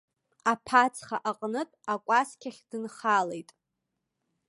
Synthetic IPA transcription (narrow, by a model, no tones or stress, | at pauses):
apʰat͡sʰχaʔaqʼnɨtʼakʷʼaskʲʰaχʲd̥ɨnχalejtʼ